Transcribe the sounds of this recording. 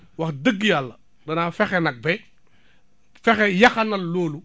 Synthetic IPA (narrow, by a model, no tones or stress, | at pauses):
wɐxdəɡːijalːɐ | dɐnaːfɛxɛnɐk̚bɛ | fɛxɛjɐxɐnɐlloːlu